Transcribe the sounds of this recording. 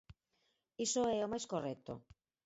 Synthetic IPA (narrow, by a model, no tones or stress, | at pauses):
isoɛomajskorɛt̪o̰